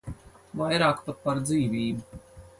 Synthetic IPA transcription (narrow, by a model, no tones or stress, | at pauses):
vajɾaːkpat̪̚paɾd̪ziːviːbu